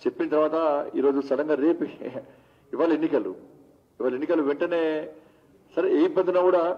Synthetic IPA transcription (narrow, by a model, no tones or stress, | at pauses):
t͡ʃepːinɐt̪ɐɾʋaːt̪ɐḭːɾo̞ːd͡ʒusɐlɐŋɡaːɾe̞ːpi | iʋaːlɐenːikɐlṵ | iʋaːlɐenːikɐluʋeɳʈɐne̞ː | sɐɾeːipɐd̪unaːkuːɽaː